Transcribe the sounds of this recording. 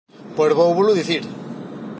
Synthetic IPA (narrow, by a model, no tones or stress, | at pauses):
peɾβowβuluðiθiɾ